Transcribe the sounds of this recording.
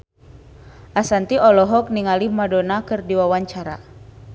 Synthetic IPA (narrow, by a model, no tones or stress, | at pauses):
ʔasant̪iʔɔlɔɦɔk̚niŋalimadonakɨrdiwawaɲt͡ʃaɾa̰